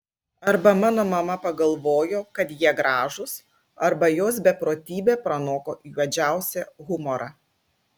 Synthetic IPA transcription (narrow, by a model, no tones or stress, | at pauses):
ɐɾbɐmɑːnoːmɐmɐpɐɡɐlˠʋoːjoːkɐt̪jiɛɡɾɑːʒʊs | ɐɾbɐjoːs̬bʲɛpɾoːt̪ʲiːbʲeːpɾɐnoːkoːʔiːʋɐd͡ʒʲæˑʊsʲɛɣʊmɔɾʔɑː